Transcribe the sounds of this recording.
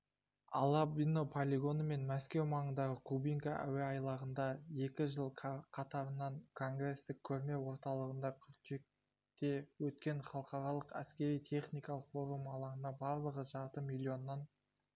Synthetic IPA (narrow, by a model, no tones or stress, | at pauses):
ɑ̰lˠɑbinopʰolʲiɡo̞nəme̞nmæskʲe̞wmɑɴənd̪ɑʁəkʰubijŋkaʔæ̰weɑjlˠɑʁənd̪ɑje̞kʲɪʒəlˠqʰɑt̪ɑɾənɑɴkʰo̞ŋɡɾe̞st̪ɪkʲʰːɵɾme̞wo̞ɾt̪ɑlˠəʁənd̪ɑkʲʰʏɾt̪ek̚ | t̪e̞wɵt̪kʲe̞ɴχɑlˠəqɑɾɑlˠəqæ̰skʲe̞ɾijt̪ʲʰe̞χnijkɑlˠəqfo̞ɾumɑlˠɑɾənɑbɑɾlˠəʁəʒɑɾt̪əmilʲːio̞nːɑn